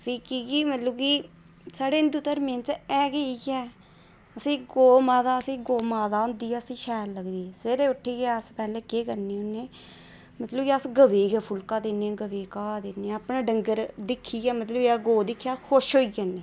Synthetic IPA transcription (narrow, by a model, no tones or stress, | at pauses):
pʰiːkiːkiːmət̪ləbkiː | saːɽeːnd̪ʊt̪əɾmẽːnt͡ʃɛːɡəiɡɛː | əsĩːɡoːmaːd̪aːəsĩːɡoːmaːd̪aːʊ̃nd̪iːɛːəsĩːʃɛːɾləɡd̪iːɛːseɾeːʊʈʰːeːɡɛəspɛːlẽːkeːkəɾneːʊnːeː | mət̪ləbkiəsɡəʋeːɡɛːpʰʊlkaːd̪eːneɡəʋeːkaːd̪eːneːəpnaːɖəŋɡəɾd̪ɪkʰːiːɡɛːmət̪ləbaːɡoːd̪ɪkʰːjaːkʰʊʃɦoːiɡəneː